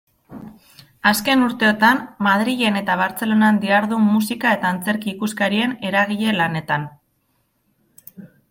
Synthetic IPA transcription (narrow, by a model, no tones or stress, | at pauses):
aske̞nuɾt̪e̞ot̪ammað̞ɾiʝe̞ne̞t̪aβ̞aɾt͡se̞lo̞nand̪iaɾðumusikae̞t̪aːnt͡se̞ɾkiːkuskaɾie̞ne̞ɾaɣ̞iʎe̞lane̞t̪an